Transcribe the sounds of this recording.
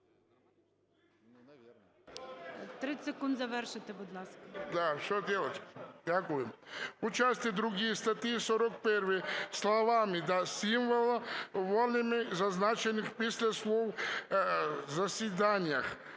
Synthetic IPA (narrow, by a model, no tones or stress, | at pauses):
t̪ɾɪsekund̪zɐʋɛrʃɪt̪ɛbɔd̪lˠaskɐd̪aʃt̪od̪ʲɛlˠat̪d̪ʲakujɛmut͡ʃasʲt̪id̪ɾuɡijst̪at̪iisɔɾɔkpɛɾʋɪslˠaʋamid̪asimʋolˠʋolʲɪmɪzaznat͡ʃenixpisʲlʲɛsʋow | zasid̪anʲjax